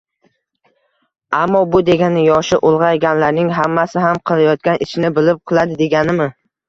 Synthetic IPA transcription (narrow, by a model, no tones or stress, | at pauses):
amːɒbʊd̪e̞ɡʲanɪjɒʃɪʔʊlˠʁɑjɡʲanlaɾnɪŋɦamːasɪɦamqʰɨlˠajɒt̪̚kʲanʔɪʃnɪbɪlɪp̚qʰɨlˠad̪ɪd̪e̞ɡʲanɪmɪ